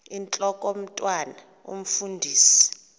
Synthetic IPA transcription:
int͡ɬʼɔkʼom̩tʼwana | ṵm̩fundʱiːsi̥

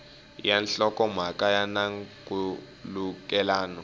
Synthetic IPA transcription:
janɬɔkʼɔm̤akʼajanaŋkʼu | luk̬ʼɛlaːnɔ

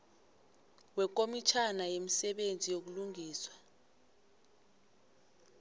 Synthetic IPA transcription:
wɛkʼomit͡ʃʰanajemisɛɓend͡zʱijok̬uluŋiːswa

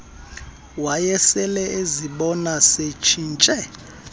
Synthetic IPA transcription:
wajɛsɛlɛʔeziɓɔnaset͡ʃʰint͡ʃʼɛ

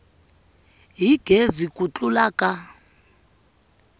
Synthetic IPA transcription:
ɦiɡ̥ʱezikʼut͡ɬulaːkʼa

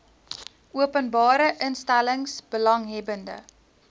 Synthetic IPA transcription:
uəpənbɑːɾəʔənstæləŋsb̥əlɐŋɦɛbəndə̰

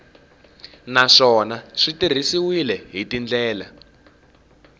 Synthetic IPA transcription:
naʂɔnaʂitir̤isiwilɛɦitind͡ɮɛːla

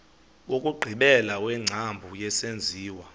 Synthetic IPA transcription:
wokʼuɡ͡ǃʱiɓɛlawɛŋ͡ǀʱambʱujɛsend͡zʱiːwa

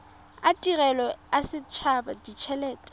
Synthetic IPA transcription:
atʼirɛlɔasɪt͡ʃʰabadit͡ʃʰɛlɛːtʼɛ̥

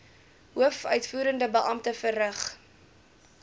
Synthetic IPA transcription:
ɦuəfœɥtfuːɾəndəbəʔɐmtəfərrəχ

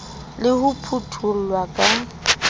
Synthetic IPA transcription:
lɪhʊpʰutʰul̩lwakʼa

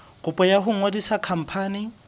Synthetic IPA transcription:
ɣʊpʼɔjaɦʊŋwodisakʰam̩pʰaːnɪ

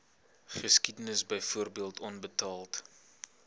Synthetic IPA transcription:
χəskidənəsbəjfuərbiəlˠtʰɔnbətɑːlˠt

